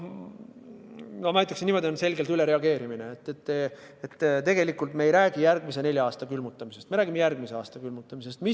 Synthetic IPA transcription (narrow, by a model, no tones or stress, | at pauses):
nomɑæjt̪ːˑɑksenimo̞d̪ionse̞lɡe̞lt̪yle̞ɾe̞ɑɡe̞ːɾimineet̪ːˑet̪ːet̪ːt̪e̞ɡ̥e̞likːˑult̪meejɾæːɡ̥ijærɡ̥mis̬e̞ne̞lʲjɑɑːst̪ɑkylmut̪ːˑɑmise̞st̪meɾæːɡ̥imejærɡ̥miseɑːst̪ɑkylmut̪ˑːɑmise̞st̪mi